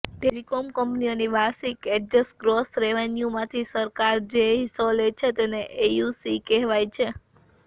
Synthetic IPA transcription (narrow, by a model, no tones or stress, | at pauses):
ʈelikomkəmpnioniʋasikɛʈd͡ʒesɡɾosɾeʋenjumãt̪ʰisəɾkaɾd͡ʒeɦisolet͡ʃʰet̪eneʔejusikɛɦʋajt͡ʃʰe